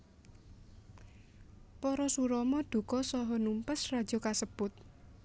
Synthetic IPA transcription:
pɔɾɔsuɾɔmɔɖ̪̥ṳkɔsɔɦɔnumpəsrad̥ʒ̥ɔ̤kasəb̥ʊt̪̚

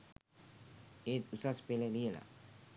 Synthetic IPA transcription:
et̪usaspeleliela̰

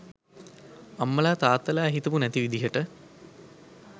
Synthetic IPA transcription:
ɐmːəlaːt̪aːt̪ːɐlaːɦit̪upunæt̪iʋid̪iɦəʈə

